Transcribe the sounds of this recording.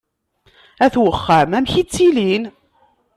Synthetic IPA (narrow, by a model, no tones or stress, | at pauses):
æθwəχːəmæmçit͡sːilin